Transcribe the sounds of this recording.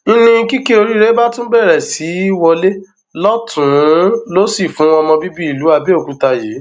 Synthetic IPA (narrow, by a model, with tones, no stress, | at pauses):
i˦nĩ˧˦ki˦ke˦o˧ɾi˦ɾe˦ba˦tũ˦bɛ˦˨ɾɛ˨si˨˦wɔ˧le˦ | lɔ˦tʰũ˨˦lo˦si˨fũ˨˦ɔ˧mɔ̃˧bi˦bi˦i˦˨lu˨˦a˧be˦o˨kũ˧ta˧je˨˦